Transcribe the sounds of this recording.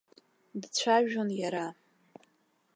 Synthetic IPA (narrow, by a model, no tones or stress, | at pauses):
dt͡ɕʷʰaʒonjaɾa